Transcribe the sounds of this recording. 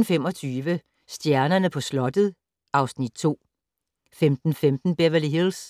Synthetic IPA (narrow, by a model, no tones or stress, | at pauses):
n̩fem̰ɒ̽t͡sʰyːʋə | sd̥jæɐnɐnəpʰɒ̽slɒ̽d̥əð̩ˠ | ʔɑ̈ʊsnid̥̚t͡sʰo̝̰ː | femd̥n̩femd̥n̩b̥eʋɐliɦils